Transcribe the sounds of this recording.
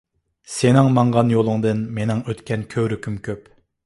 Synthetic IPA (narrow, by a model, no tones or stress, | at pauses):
senɪŋmɑɴʁɑnjolˠʊŋd̪ɨnmenɪŋøt̪kʲʰɛnkʲʰøwɾykʲʰymkʲʰøp